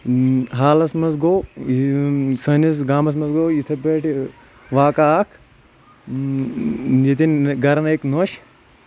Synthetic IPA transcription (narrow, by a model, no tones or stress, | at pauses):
ɦaːlɐsmɐsɡoː | sɐnis̬ɡaːmɐs̬mɐzɡoːjit̪ʰɐbeːʈʰ | ʋaːkaaːkʰ | jet̪inɡɐɾɐneːknoːʃ